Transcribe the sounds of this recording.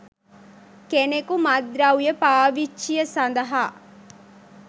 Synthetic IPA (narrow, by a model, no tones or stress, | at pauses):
kenekumɐd̪ɾaujɐpaːʋit͡ʃt͡ʃːijɐsɐnd̪ɐɦaː